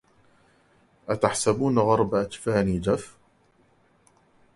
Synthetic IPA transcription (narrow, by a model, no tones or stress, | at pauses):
ʔat̪aħsabuːnaɣɑɾˤbaʔat̪faːniːd͡ʒaf